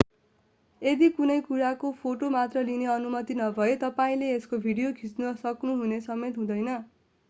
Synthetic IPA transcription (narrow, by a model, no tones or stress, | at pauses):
ed̪ikunʌjkuɾakopʰoʈomat̪rʌlineʌnumʌt̪inʌbʱʌet̪ʌpaĩleeskobʱiɽijokʰit͡snusʌknuɦunesʌmet̪ɦũd̪ʌjnʌ